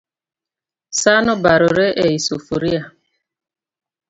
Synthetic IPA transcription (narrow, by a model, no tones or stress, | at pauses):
sanʊbaɾʊɾeʔeisofuɾia